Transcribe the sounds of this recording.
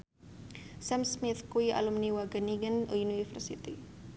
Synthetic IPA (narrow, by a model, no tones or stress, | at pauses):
sɛmsmiθkwia̰lumniwaɡəniɡənṵjuniifərsit̪i